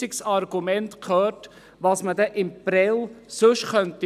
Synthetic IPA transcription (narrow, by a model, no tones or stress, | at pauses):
ɪksɑɾɡ̥umɛnt̪kʰøːrt | ʋɑːsmədɛʔɪmpɾɛlsɵʃχœnt̪i